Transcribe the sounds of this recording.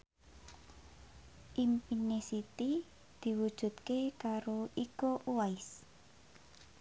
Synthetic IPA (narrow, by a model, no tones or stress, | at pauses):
ʔimpinesit̪i | d̪̥i̤wud̥ʒ̥ṳt̪kekaɾoikoʔuaɪs